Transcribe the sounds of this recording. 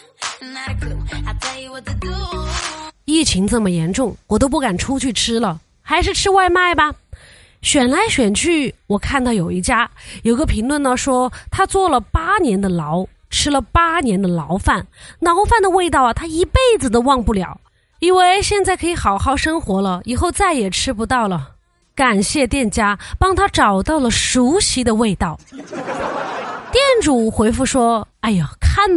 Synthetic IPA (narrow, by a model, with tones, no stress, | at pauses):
i˥˩t͡ɕʰi˧˥ŋt͡sɤ˥˩mə˩jɛ˧˥nʈ͡ʂʊ˥˩ŋwɔ˨˩t̪o˥ʊp̬u˥˩ka˨˩nʈ͡ʂʰu˥t͡ɕʰy˥˩ʈ͡ʂʰɻɻ̩˥lə˨ | xa˧˥ɪʂ̬ɻ̩˥˧ʈ͡ʂʰɻ̩˥wa˥˧ɪma˥˩ɪbɐ˩ | ɕɥɛ˨˩nla˧˥ɪɕɥɛ˨˩nt͡ɕʰy˥˩wɔ˨˩kʰa˥˧nt̪ɑ˥˩ʊjo˨˩ʊi˥˩t͡ɕja˥jo˨˩ʊi˧ɡə˧pʰi˧˥ŋlwə˥˧nə˨˩ʂwɔ˥t̪ʰa˥t͡swɔ˥˩lə˩pa˥njɛ˧˥nd̪ə˧lɑ˧˥ʊ | ʈ͡ʂʰɻ̩˥lə˨pa˥njɛ˧˥nd̪ə˧lɑ˧˥ʊfa˥˩nlɑ˧˥ʊfa˥˩nd̪ə˩we˥˧ɪt̪ɑ˥˩ʊ˩t̪ʰa˥i˧˥pe˥˩ɪd͡zɹ̩˩d̪ə˩wɑ˥˧ŋpu˥˩ljɑ̰˨˩˦ʊ | i˥nwe˥˧ɪɕjɛ˥˧nt͡sa˥˩ɪkʰɤ˧˥i˧˥xɑ˨˩ʊxɑ˥˩ʊʂɤ˥ŋxwɔ˧˥lə˧i˨˩xo˥˧ʊt͡sa˥˩ɪjɛ˨˩ʈ͡ʂʰɻ̩˥pu˧˥t̪ɑ˥˩ʊlə˩ | ka˨˩nɕjɛ˥˧t̪jɛ˥˩nt͡ɕja˥pɑ˥ŋt̪ʰa˥ʈ͡ʂɑ˨˩ʊt̪ɑ˥˩ʊlə˩ʂu˧˥ɕi˧˥d̪ə˧we˥˧ɪt̪ɑ˥˩ʊ | t̪jɛ˥˩nʈ͡ʂu˨˩xwe˧˥ɪfu˥˩ʂwɔ˥a˧˥˩ɪjo˨˩kʰa˥˩n